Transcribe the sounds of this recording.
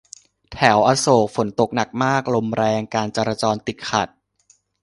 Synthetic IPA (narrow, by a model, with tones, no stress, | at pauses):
t̪ʰɛː˩˦wʔaː˧soː˨˩k̚fo˩˦nt̪o˨˩k̚na˨˩k̚maː˥˩k̚lo˧mɾɛː˧ŋkaː˧nt͡ɕaː˧ɾaː˧t͡ɕɔː˧nt̪i˨˩t̪̚kʰa˨˩t̪̚